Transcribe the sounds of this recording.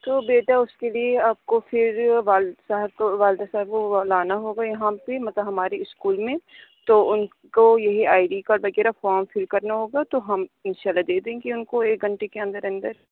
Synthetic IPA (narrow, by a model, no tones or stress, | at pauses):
t̪oːbeːʈaʊskelieaːp̚kofɪɾʋaːlsɐɦəɾkoʋaːld̪asɐɦəɾkolaːnaɦoːɡajɐɦãpemɐt̪ləbɦɐmaːɾeɪskuːlmẽt̪oʊn | kojɐɦiaːiɖikaʋɐɣɛːɾafɔːɾmfɪlkɐɾnaɦoːɡaːt̪oɦɐmɪ̃nʃaːlːad̪eːd̪eẽkiʊnkoeːk̚ɡʱɐ̃ɳʈekeɐ̃nd̪əɾɐ̃nd̪əɾ